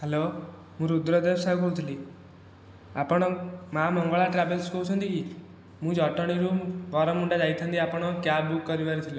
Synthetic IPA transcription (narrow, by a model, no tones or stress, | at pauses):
hɛlo | mũɾud̪ɾɔd̪ebsabkɔɽut̪ʰili | apɔɽ̃ɔmamɔŋɡɔɭaʈɾabelskoɦut͡ʃʰɔnt̪iki | mũd͡ʒɔʈɔɽ̃iɾubɔɾɔmuɳɖad͡ʒajt̪ʰant̪iapɔɽ̃ɔkjabukːɔɾibaɾit̪ʰilɔ